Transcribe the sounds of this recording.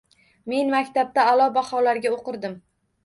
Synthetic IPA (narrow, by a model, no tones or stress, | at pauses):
me̞nmakʲt̪ʰab̚t̪aːlɒbahɒlaɾɡʲaoqɨɾd̪ɪm